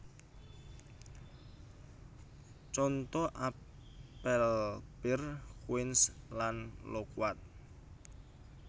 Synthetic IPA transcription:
t͡ʃɔnt̪ɔʔa | pɛlpɪrkuwɪnslanlokwat̪̚

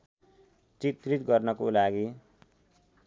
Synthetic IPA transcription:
t͡sit̪rit̪ɡʌrnʌkolaɡi

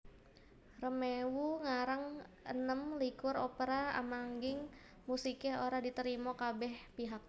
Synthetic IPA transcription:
rəmewuŋaɾaŋʔə̰nəmlikʊɾopəɾaa̰maŋɡɪŋ | musikɛɦoɾadit̪əɾimokabɛhpiɦak̚

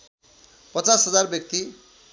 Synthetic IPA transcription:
pʌt͡sasɦʌd͡zarbjʌk̚t̪i

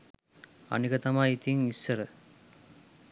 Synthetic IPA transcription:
a̰nikət̪amajit̪iŋisːəɾə

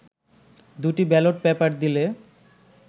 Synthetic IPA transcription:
d̪uʈibɛloʈ̚bɛpaɾd̪ile

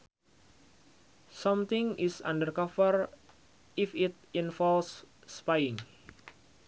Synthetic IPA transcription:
sɔ̃mt̪ĩŋisã̰ndərkɔfər | ifit̪̚ĩnfɔlsːpajĩŋ

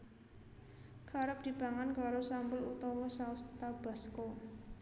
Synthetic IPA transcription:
kʰaɾəp̚d̪̥i̤b̥a̤ŋankaɾosambʊlut̪ɔwɔsaust̪ab̥a̤sko

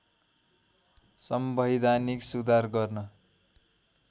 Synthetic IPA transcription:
sʌmbʱʌjd̪aniksud̪ʱarɡʌrnʌ

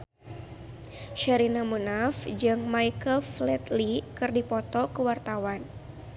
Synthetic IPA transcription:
ʃaɾinamunafd͡ʒɨŋmaikəlflɛt̪likɨrdipɔt̪ɔkəwart̪awan

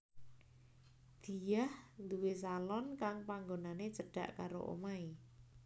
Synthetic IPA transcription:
d̪̥i̤jahnd̪uwesalɔnkaŋpaŋɡonanet͡ʃəɖ̥a̤̰ʔkaɾo̰ʔo̰mai

